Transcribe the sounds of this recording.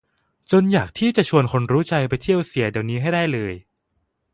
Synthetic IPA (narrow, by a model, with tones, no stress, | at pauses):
t͡ɕo˧njaː˨˩k̚t̪ʰiː˥˩t͡ɕa˨˩ʔt͡ɕʰu˧ənkʰo˧nɾuː˦˥t͡ɕa˧jpa˧jt̪ʰi˥˩əwsi˨˩˦ɐdi˧˩əwniː˦˥ɦa˥˩jda˥˩jlɤː˧j